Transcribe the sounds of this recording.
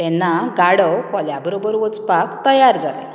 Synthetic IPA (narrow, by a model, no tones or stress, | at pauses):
t̪ɛnːaɡaɽəwkɔljabəɾobəɾʋɔt͡spakt̪əjaɾd͡zalḛ